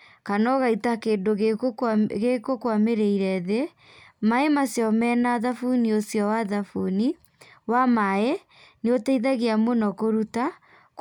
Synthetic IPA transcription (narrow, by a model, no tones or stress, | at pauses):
kanɔɣaitakeːndoɣeɣekokwameɾeiɾɛðe | maemasjɔmɛːnaðafuniosjɔwaðafuni | wamae | neoteiðaɣeamonɔkoɾuta